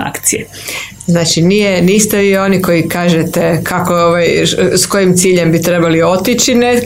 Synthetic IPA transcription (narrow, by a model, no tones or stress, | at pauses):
a̰kt̪siḛ | znaːt͡ʃiniːjeniːst̪eʋiːo̞niko̞jikaːʒet̪e̞kʰakooʋajsko̞jimt̪siːʎe̞mbit̪ɾe̞balio̞t̪it͡ʃine